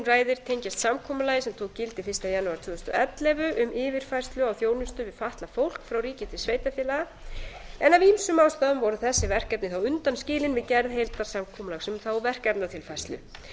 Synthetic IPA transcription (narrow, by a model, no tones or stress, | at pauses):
nraːjðɪɾ̥t̪ʰejɲcast̪samkʰɔːmʏlaːjɪsɛmt̪ʰowkcɪlt̪ɪfɪ̥rst̪ajanːuaɾt̪ʰvʏːðʏst̪ʏɛt̪lɛvʏʔʏmɪːvɪɾ̥faj̥st̪lʏawθjoːwnʏst̪ʏvɪðfaht̪lafowl̥kfɾawriːcɪt̪ʰɪsvejt̪afjɪːlaɣa | ɛnavimsʏmaːwst̪aːðʏmvɔɾʏθɛsːɪvɛr̥kapnɪθawʏnt̪anscɪːlɪnvɪðcɛɾðɦejlt̪aɾ̥samkʰɔmʏlaɣsɛmθawvɛr̥kapnat̪ʰɪlfajst̪lʏ̰